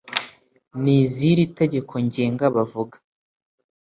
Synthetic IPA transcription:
niːziɾite̞ɟe̞kʰo̞ɲɟeːŋɡaβavuɡḁ

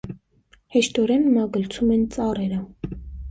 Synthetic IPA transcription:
hɛʃt̪ɔɾɛnmɑɡəlt͡sʰumɛnt͡sʼɑrɛɾə

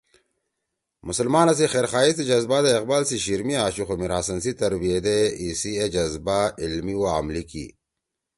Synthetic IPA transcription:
mʊsɐlmaːnɐs̬ixeːɾxaːist̪id͡ʑɐzbaːd̪aɪqbaːlsiɕiɾmiaːɕuxomiɾhɐsɐnsit̪ɐɾbied̪eisied͡ʒɐzbailmiwa̰ːmlikḭ

